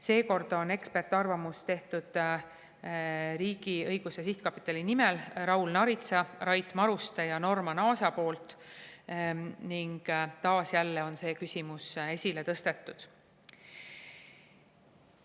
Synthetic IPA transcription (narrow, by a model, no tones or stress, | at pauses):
se̞ːko̞rd̪̥o̞ne̞kspe̞rt̪ːˑɑrvɑmust̪e̞ht̪ud̪̥ | ɾiːɡ̥iɤjɡ̥usesiht̪̚kɑpːi̥t̪ːˑɑlinimelrɑwlnɑɾit̪sɑrɑjt̪ːˑmɑɾust̪ejɑno̞rmɑnɑːsɑpo̞ːlt̪ˑ | niŋɡ̥t̪ɑːsjælːe̞o̞nse̞ːkysʲimuse̞sʲile̞t̪ɤst̪e̞t̪ˑːud̪̥